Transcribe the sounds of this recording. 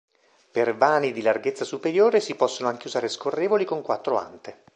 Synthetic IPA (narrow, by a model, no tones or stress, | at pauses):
pervaːnid̪ilarɡet̪sːasupeɾjoːɾesipɔsːonoaŋk̟euzaːɾeskorːeːvolikoŋkwat̪ːɾoa̰nt̪e